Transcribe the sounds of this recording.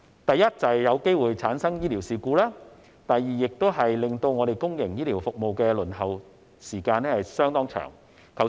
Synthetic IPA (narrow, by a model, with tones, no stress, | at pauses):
t̪ɐ˨jɐ˥t̚t͡sɐ˨jɐ˨˧wke˥jwuː˨jt͡sʰaː˨˥nsɐ˥ŋjiː˥liː˨˩wsiː˨kuː˧laː˥ | t̪ɐ˨jːiː˨˩jɪ˨k̚t̪o˥wɦɐ˨jlɪ˨ŋt̪o˧wŋɔ˨˧ɾe˨jkʊ˥ŋjɪ˨˩ŋjiː˥liː˨˩wfʊ˨k̚mo˨wkɛː˧lɵ˨˩nɦɐ˨w | siː˨˩kaː˧nɛː˥hɐ˨jsœː˥ŋt̪ɔː˥ŋt͡ʃʰœ̰ː˨˩ŋ | kʰɐ˨˩w